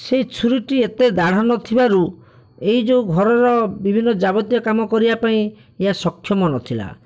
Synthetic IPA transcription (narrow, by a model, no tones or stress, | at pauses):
set͡ʃʰuɾiʈiet̪ed̪aɽ̤anɔt̪ʰibaɾu | eɦid͡ʒeuɡʱɔɾɔɾɔbibʱinːɔd͡ʒabɔt̪jɔkamɔkɔɾibapaĩ | eɦasɔkʰːjɔmɔnɔt̪ʰila̰